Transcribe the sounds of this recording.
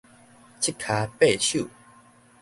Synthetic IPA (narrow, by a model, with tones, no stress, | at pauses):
t͡ɕʰi˦˥˩kʰːa˨˧pe˥˨t͡ɕʰu˥˨